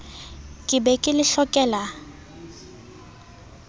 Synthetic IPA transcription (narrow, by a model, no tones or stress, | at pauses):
kʼɪbɛkʼɪlɪɬɔkʼɛːla